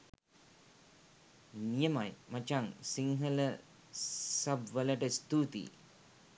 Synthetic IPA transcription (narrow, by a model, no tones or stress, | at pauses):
nijəmajmɐt͡ʃaŋsiŋɦələ | sɐbʋələʈəist̪uːt̪ḭː